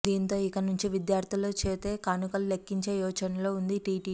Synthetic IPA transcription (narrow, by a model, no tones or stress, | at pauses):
d̪iːnt̪o̞ːikɐnuɲt͡ʃiʋid̪jaːɾt̪ʰiloːt͡ʃeːt̪e̞ːkaːnukɐllekːiɲt͡ʃeːjɔːt͡ʃɐnɐlo̞ːund̪iʈiːʈi